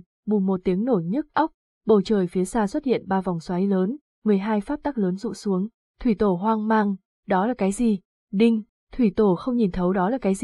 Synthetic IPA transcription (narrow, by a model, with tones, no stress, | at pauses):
ɓu˨˩mo˨˩t̚t̪i˨˦əŋno˧˩jɲɨ˦˥k̚ʔa˦˥wk͡p̚ | ɓə˧˩wt͡ɕəː˨˩jfi˨˦saː˧swə˦˥t̚hḭ˧˨ənɓaː˧vɔ˨˩wŋ͡mswaː˨˦jləː˨˦n | mɨ˨˩əjɦaː˧jfaː˦˥p̚t̪aː˦˥k̚ləː˨˦nzṵ˧˨su˨˦əŋ | t̪ʰwi˧˩t̪o˧˩ɦwaː˧ŋmaː˧ŋ | ɗɔ˨˦laː˨˩kaː˨˦jzi˨˩ | ɗï˧ŋ̟ | t̪ʰwi˧˩t̪o˧˩xə˧wŋ͡mɲi˨˩nt̪ʰə˨˦wɗɔ˨˦laː˨˩kaː˨˦jz